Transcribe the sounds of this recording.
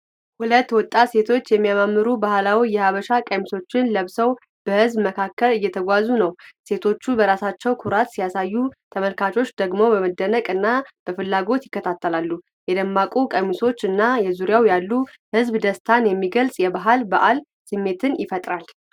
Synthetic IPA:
hulət̪ːwɔt̪ʼːase̞t̪ʰo̞t͡ʃːjɛmːijamamːɨɾubahlawijɛhaβəʃakʼəmiso̞t͡ʃːɪnləβsəw | b̥əhɨzbməkʰakːəlɨjːɛt̪ʰəɡʷazunəwse̞t̪ʰo̞t͡ʃːubəɾasat͡ʃːɛwkʰuɾat̪sijasajːut̪ʰəməlkʰat͡ʃʼo̞t͡ʃːd̪əɡmo̞bəməd̪ːənəkʼɨnːab̥əfɨlːaɡo̞t̪jɪkːət̪ʰat̪ʰːəlalːu | jɛd̪əmːakʼukʼəmiso̞t͡ʃːɨnːajɛzuɾjawjalːu | hɨzbd̪əst̪ʰanjɛmːiɡəlsʼjɛbaɦalbaʔal | sɨmːe̞t̪ʰɨnjɪfət̪ʼɾal

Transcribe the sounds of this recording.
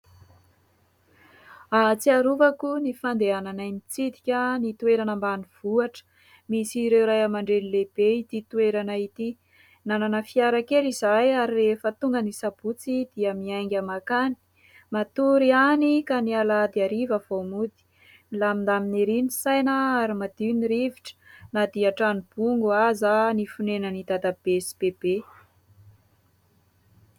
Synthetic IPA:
at͡siaɾuvakunifand̪eananajnit͡sid̪i̥kʲənit̪ueɾanəmbaniv̥uaʈ͡ʂə̥ | misiɾewɾajamaɳɖ͡ʐenileb̥eit̪it̪ueɾanait̪i | nananəfiaɾakelizajaɾilefət̪uŋɡənisab̥ut͡sid̪̥iəmiajŋɡʲamakani̥ | mat̪uɾianikanialad̪iaɾivəv̥omud̪i̥ | lamind̪amineɾinisajnəaɾimad̪̥iwniɾiviʈ͡ʂə̥nad̪iaʈ͡ʂanib̥uŋɡuazanifunenənid̪ad̪ab̥esi̥b̥eb̥e

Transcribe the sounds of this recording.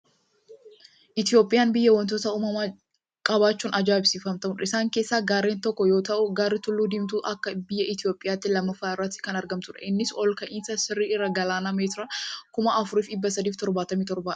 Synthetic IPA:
ʔɪt̪ɪjo̞ːpʼɪjaːnbɪjːɐwɐnt̪oːt̪ɐuːmɐmaː | kʼɐbaːt͡ʃːuːnʔɐd͡ʒaːɪbsiːfɐmt̪ɐmʊnɪsaːŋke̞ːsːaːɡaːɾeːnt̪ɔkːɔjo̞ːt̪ɐʔʊɡaːɾːɪt̪ʊlːuːd̪ɪmt̪uːʔɐkːɐbɪjːɐɪt̪ɪjo̞ːpʼɪjaːt̪ːɪlɐmːɐfaːɪrːɐt̪ːɪ̥kɐnɐɾɡɐmt̪ʊᶑɐ̰ʔɪnːɪsɔlkɐʔɪnsɐsɪrːiːɪrːɐɡɐlaːnɐmeːt̪ɪɾɐkʊmɐʔɐfʊɾiːfɪbːɐsɐd̪iːft̪ɔɾbaːt̪ɐmit̪ɔɾbḁː

